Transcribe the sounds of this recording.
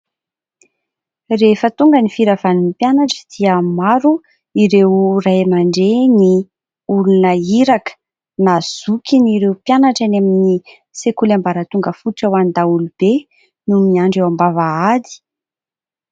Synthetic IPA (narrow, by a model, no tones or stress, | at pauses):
refət̪uŋɡənifiɾavaninipjanaʈ͡ʂə̥d̪̥iəmaɾu | iɾewrajmaɳɖ͡ʐeni | ulunəiɾakə̥ | naz̥ukiniɾewpjanaʈ͡ʂanamini | sekulambaɾət̪uŋɡəfuʈ͡ʂawand̪aulub̥e | numiaɳɖ͡ʐewambavaad̪i̥